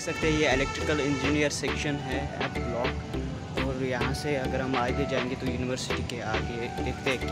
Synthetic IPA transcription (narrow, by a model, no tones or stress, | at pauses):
sɐk̚t̪eɦɛ̃jeelɛk̚ʈɾɪkəlɪ̃ɲd͡ʒiːnijəɾsɛkʃənɦɛɛ̰pblɔːk | ɔːɾjɐɦãseɐɡəɾɦɐmaːɡed͡ʒaːẽːŋɡet̪ojuːnɪʋəɾsɪʈikeaːɡeeːkt̪eːk